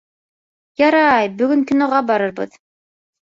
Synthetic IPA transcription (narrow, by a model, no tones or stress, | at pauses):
jɑɾɑjbɵɡɵŋkɵ̆noʁɑbɑɾɤɾbɤ̰ð